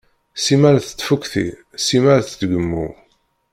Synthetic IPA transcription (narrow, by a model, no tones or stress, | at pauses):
simæɾθə̥t̪ːfukʷθḭ | simæɾθət̪ɡəmːṵ